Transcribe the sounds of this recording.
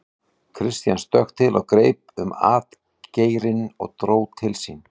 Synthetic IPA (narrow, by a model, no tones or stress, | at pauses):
kʰɾɪst̪janst̪œxt̪ʰɪlʔɔɣkɾeːjp̚ʏma̰ːt̪ | ceːjɾɪnɔ̰ɣt̪ɾoːwt̪ʰɪlsin